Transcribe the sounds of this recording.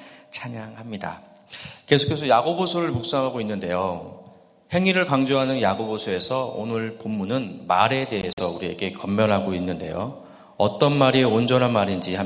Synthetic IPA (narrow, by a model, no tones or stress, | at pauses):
t͡ɕʰaɲaŋɦamɲida̰ | ke̞sʰu̥kʰe̞sʰʌjaɡobosʰoɾɯɭmuk̚s͈aŋɦaɡoinːɯnde̞jo | he̞ŋiɾɯɭkaŋd͡ʑoɦanɯnjaɡobosʰoe̞sʰʌo̰nɯɭpomːunɯnmaɾe̞de̞ɦe̞sʰʌuɾie̞ɡe̞kʌmːjʌnɦaɡoinːɯnde̞̰jo̰ | ʌt͈ʌnmaɾiond͡ʑʌnɦanmaɾind͡ʑiha